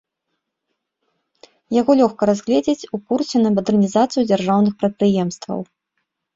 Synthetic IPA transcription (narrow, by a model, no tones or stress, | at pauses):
jaɣɔlʲɔxkɐɾazʲɣlʲɛd͡zʲet͡sʲukursʲɛnɐmɐd̪ɛrnʲizat̪sɨjud͡zʲarʐawnɨxpɾɐt̪̚pɾɨjɛmst̪vɐ̰w